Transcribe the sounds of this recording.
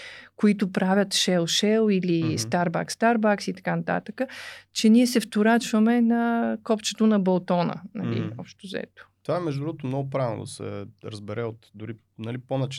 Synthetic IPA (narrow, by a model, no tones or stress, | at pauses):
koit̪ʊpɾavʲət̪ʃɛlˠʃɛlˠilist̪aɾba̰kst̪aɾbaksit̪ɐ̥kanɐt̪a̰t̪əkət͡ʃɛniɛsɛft̪ʊɾat͡ʃvəmɛnɐkɔpt͡ʃɛ̥t̪onɐbɐlˠt̪ɔnə̰nɐ̰lḭɔpʃt̪ozɛ̰t̪o̥t̪ovaɛmɛʒd̪d̪ɾuvot̪omnɔɡʊp̬ɾavno̰d̪ɐ̰sɛ̰ɾəzbɛɾɛot̪d̪ʊɾi | nɐliponɐt͡ʃ